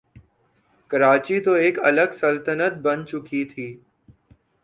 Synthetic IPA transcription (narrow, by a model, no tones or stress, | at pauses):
kɐɾaːt͡ʃit̪oeːkɐləɡsəlt̪ənət̪̚bɐnt͡ʃʊkit̪ʰiː